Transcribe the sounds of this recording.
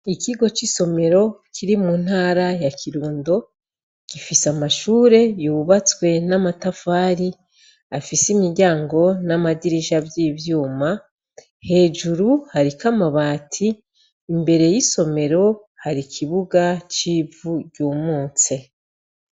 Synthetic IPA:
ikiɡo̞t͡ʃiso̞me̞ɾo̞kʰiɾimun̥haːɾajakiɾuːndo̞ | kifisamaʃuːɾe̞juβat͡swe̞namatafaːɾi | afisimiɾɟaːŋɡo̞namadiɾiʒabjiːvjuːma | he̞ːd͡ʒuɾuhaɾikamaβaːtʰiː | mbe̞ɾe̞jiso̞me̞ɾo̞ | haɾikʰiβuɡat͡ʃiːvuɟuːmuːt͡se̞

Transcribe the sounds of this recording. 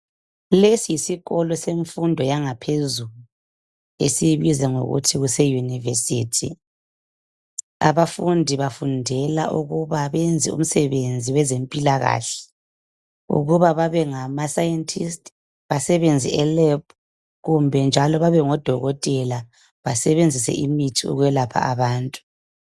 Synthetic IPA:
lesijisiɣɔlɔseɱfundʱɔjaŋapʰezuluu | ḛsiβizɛŋo̰ɣṵtʰiɣusɛjunivesiːtʰḭ | a̰βafundʱiβafundʱɛlaʔuɣuβaβɛnd͡zʱiṵm̩sɛβend͡zʱiwɛzempʼilaɣa̰ɬɛ̥ | ṵɣuβaβaβɛŋamasajɛntʰistʼ | βasɛβend͡zʱiɛlɛp̚ʰ | ɣumbʱɛnd͡ʒʱalɔβaβɛŋɔd̥ʱɔɣɔtʼɛla | βasɛβend͡zʱisɛ̰ʔimitʰiṵɣwɛlapʰa̰aβaːntʼu̥

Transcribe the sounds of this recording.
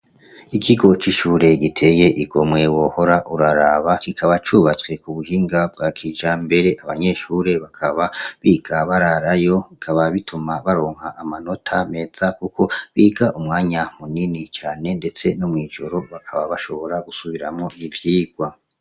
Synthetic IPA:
ikʰiɡo̞t͡ʃiʃuːɾe̞ɡitʰe̞ːje̞ʔiɡomwe̞wo̞ho̞ɾaʔuɾaɾaβakikʰaβat͡ʃuːβat͡swe̞kuβuhiːŋɡab̚ɡakʰiːd͡ʒambe̞ɾe̞ʔaβaɲe̞ʃuːɾe̞βakʰaβaβiːɡ̥aβaɾaɾajo̞βikʰaβaβitʰumaβaɾoːŋ̥haʔamano̞tʰame̞z̥akukʰo̞βiːɡaʔumŋaːɲamuninit͡ʃaːne̞nde̞t͡se̞nomŋiːd͡ʒo̞ɾo̞βakʰaβaβaʃo̞βo̞ɾaɡusuβiɾamŋo̞ʔivjiːɡ̥wa

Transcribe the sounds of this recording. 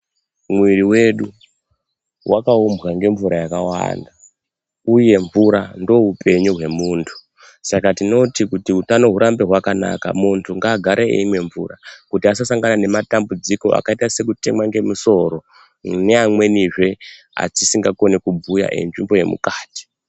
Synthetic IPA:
mwiɾiwe̞ɗu | wʔakaumbɣaŋɡe̞ɱvuɾajakawa̰ːnda | uje̞ɱvuɾando̞ɦupʰe̞ɲuɦwe̞muːntʰu̥ | sakatino̞tikutiutanoɦuɾambeɦwakana̰ka̰muntʰuŋɡaːɡʱaɾʔeḛimwe̞ɱvṵːɾakutiasasaŋɡanane̞matambud͡ziko̞̰ʔa̰kaitase̞kute̞mwaŋɡe̞muso̞ɾo̞ | ne̞amwe̞niʐe̞ | a̰t͡ʃisiŋɡakonekub͡vuja̰ʔḛnʐimbo̞je̞̰mṵkaːti̥

